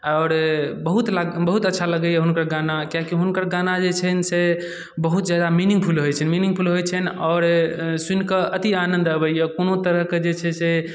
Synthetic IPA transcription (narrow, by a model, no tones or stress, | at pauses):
ɔːɾbəɦut̪laɡbəɦut̪ətːʃʰaləɡəjɛɦunkəɾɡanakjakiɦunkəɾɡanad͡ʒet͡ʃʰɛnse | bəɦut̪d͡ʒjad̪aminĩŋɡ̚pʰulɦojt͡ʃʰənminiŋɡ̚pʰulɦojt͡ʃʰənɔːɾsunkəʔət̪ianə̃nd̪əbəjjɛkonot̪əɾəɦked͡ʒet͡ʃʰɛse